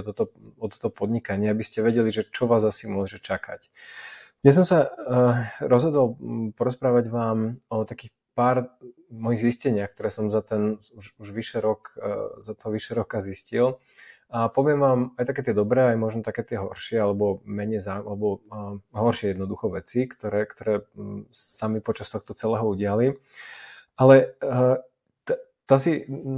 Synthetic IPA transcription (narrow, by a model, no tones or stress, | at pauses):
ɔt̪ɔt̪ɔɔt̪ɔ̥t̪ɔpɔd̪ɲikaɲɪɛabiscɛʋɛɟɛliʒɛt͡ʃɔʋaːzasimʊɔʒɛt͡ʃakʰa̰c | d̪̥ɲɛs̬ɔmsa | ɾɔzɦɔd̪ɔlpɔɾɔspɾaːʋaɟʋaːmɔt̪akiːx | paːɾ | mɔjiɣziscɛɲɪaxkt̪ɔɾɛːsɔmzat̪ɛnuʃuʒʋiʃɛɾɔkzat̪ɔɦɔʋiʃɛɾɔkaziscil | apɔʋɪɛmʋaːmajt̪akɛːt̪ɪɛd̪ɔbɾɛːajmʊɔʒnɔt̪akɛːt̪ɪɛɦɔ̰ɾʃɪɛalɛbɔmɛɲɛjzaːmʔalɛbɔɦɔɾʃɪɛjɛd̪nɔd̪uxɔʋɛt͡sikt̪ɔɾɛːkt̪ɔɾɛː | samipɔt͡ʃast̪ɔxt̪ɔt͡sɛlɛːɦɔuɟɪali | alɛ | t̪t̪asi